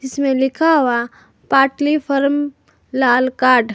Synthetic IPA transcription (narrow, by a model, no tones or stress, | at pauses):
d͡ʒɪsmẽlɪkʰaɦua | paːʈlifʰəɾm | laːlkaːɾɖ